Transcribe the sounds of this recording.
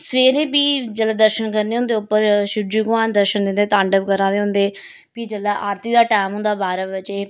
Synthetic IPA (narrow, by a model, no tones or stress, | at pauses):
sʋeːɾeːbiːd͡ʒəlaːd̪əɾʃənkəɾneːɦʊ̃nd̪eːʊpːəɾʃʊd͡ʒuɡʋaːnd̪əɾʃənd̪ɪnd̪eːt̪ãːɳɖəbkəɾãːd̪eːɦʊ̃nd̪eː | piːd͡ʒəlaːʔaːɾt̪iːd̪aːʈaːmɦʊ̃nd̪aːbaːɾəʋət͡ʃeː